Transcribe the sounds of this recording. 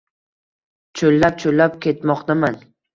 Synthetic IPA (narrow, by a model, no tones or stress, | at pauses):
t͡ʃʰolːap̚t͡ʃʰolːap̚kʲʰe̞t̪mɒqt̪aman